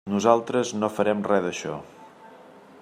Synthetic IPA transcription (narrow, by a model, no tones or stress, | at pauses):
nuzalˠt̪ɾəznofəɾɛmrɛðəʃɔ̰